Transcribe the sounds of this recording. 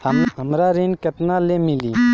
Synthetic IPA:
əmɦəmɾaɾeːnkəʈnaːlemɪliː

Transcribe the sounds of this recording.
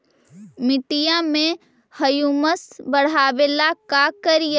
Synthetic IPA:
mɪʈijãmẽ | həjuːməsbəɽ̤aːʋeːlakakəɾijə

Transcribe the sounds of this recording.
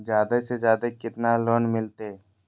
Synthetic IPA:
zjaːd̪asezjaːd̪əkɪt̪naloːnmɪlt̪e

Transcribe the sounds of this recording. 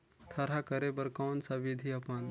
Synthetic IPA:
t̪ʰɐɾakəɾebəɾkɔːnsaʋɪd̪ʱiɐpan

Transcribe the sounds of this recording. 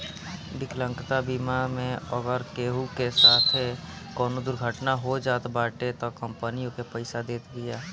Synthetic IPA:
bɪklə̃ŋkt̪abiːmamẽəɡəɾkeːɦukesaːt̪ʰɦekɔːnod̪ʊɾɡʱəʈnaɦod͡ʒaːt̪baːʈet̪okə̃mpənijõkepəɪsad̪eːt̪ɡijaː

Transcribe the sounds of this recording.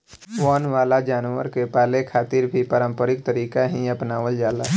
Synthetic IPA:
wɔːnʋaːlad͡ʒaːnwə̰ɾkepaːlekʰaːt̪ɪɾbʱipəɾə̃mpəɾɪk̚t̪əɾiːkaɦiəpnaːʋəld͡ʒaːla̰ː

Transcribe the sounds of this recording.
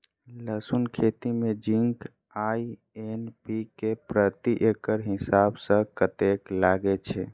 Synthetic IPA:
ləsunkʰet̪imed͡ʒiŋk | ai | enpikepɾət̪iʔekəɾɦisabsə̃kət̪eklaɡɛt͡ʃʰɛ

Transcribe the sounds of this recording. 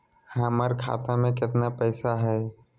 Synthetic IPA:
həmaɾkʰa̰ːt̪amẽkɪt̪napɛːsaɦɛː

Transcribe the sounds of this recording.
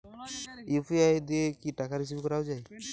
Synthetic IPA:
upʰiajd̪ekiʈakaɾis̬ibkɔɾawd͡ʒaj

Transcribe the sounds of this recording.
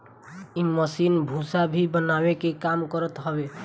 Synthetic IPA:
iməsinbʱũsabʱibənabekekamkɔɾət̪ɦɔbe

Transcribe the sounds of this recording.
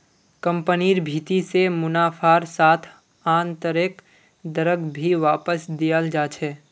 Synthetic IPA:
kə̃mpəniːɾbʱiːt̪isemʊnaːfʰaːɾsaːt̪ʰ | ãːnt̪əɾɪk | d̪əɾəɡbʱiʋaːpəsd̪ijəld͡ʒaːt͡ʃʰɛː

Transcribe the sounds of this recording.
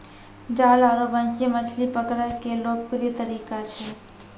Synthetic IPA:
d͡ʒaːlaɾobə̃nsemət͡ʃʰlipəkɾəkeloːk̚kɾiet̪əɾiːkat͡ʃʰɛ

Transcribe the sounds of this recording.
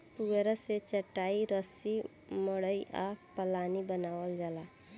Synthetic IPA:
puɡeɾəset͡ʃəʈːaiɾəsi | məɽəjʔa̰pəlanibənawəld͡ʒala

